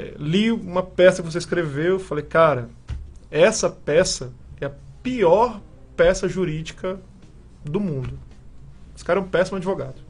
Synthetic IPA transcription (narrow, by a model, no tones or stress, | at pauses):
ɛ̰liũmɐpɛsɐkɪvoseiskɾevewfalejkaɾɐ | ɛsɐpɛsɐɛɐpiɔɾ | pɛsɐʒuɾid͡ʒikɐ | d̪ʊmũnd̪ʊ | esɪ̥kaɾɛũpɛsimʊad͡ʒivoɡad̪ʊ